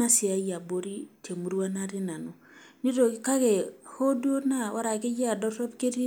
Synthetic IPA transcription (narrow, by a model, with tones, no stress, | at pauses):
a˦si˨a˨ja˨bo˨˦ɾi˦tʰe˨mu˨ɾwa˦na˦ɾi˦na˨no˨ | ni˦ɾo˨˦ka˦kɛ˨ho˦du˦o˦na˦wa˦ɾa˨ke˦ja˨dɔ˦tɔ˦pke˦ɾi˦